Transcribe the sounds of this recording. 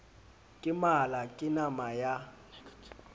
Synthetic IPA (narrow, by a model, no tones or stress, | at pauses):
kʼɪmalakʼɪnamaja